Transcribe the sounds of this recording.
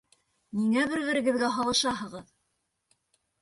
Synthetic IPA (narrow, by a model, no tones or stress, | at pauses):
niŋæβɘɾβɘ̆ɾɘ̆ɡɘ̆ðɡæɦɑlˠɤ̆ʃɑɦɤ̆ʁɤð